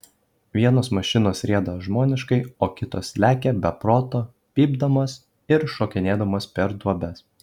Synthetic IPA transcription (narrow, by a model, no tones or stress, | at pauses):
ʋʲiɛnoːsmɐʃʲɪnoːsɾʲeɛd̪ɐʒmoːnʲɪʃkɐɪoːkʲɪt̪oːslʲæːkʲebʲɛpɾoːt̪oː | pʲiːbd̪ɐmoːs | ɪɾʃoːkʲɪnʲeːd̪ɐmoːspʲɛɾd̪ʋobʲɛs